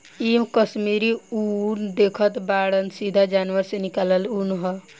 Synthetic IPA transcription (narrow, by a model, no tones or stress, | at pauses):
imkəsmiɾiund̪ekʰət̪baɽənsid̪ʱad͡ʒanʋəɾsenikaləlunɦɔ